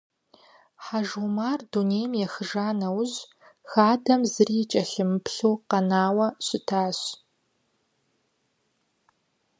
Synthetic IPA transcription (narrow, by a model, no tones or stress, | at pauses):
ħaʒumaːrduneːjmjɛxɨʒaːnɐwʑ | xaːdɐmzɨriːt͡ʃʼɐɬɨmɨpɬuːqɐnaːwɐɕɪtʰaːɕ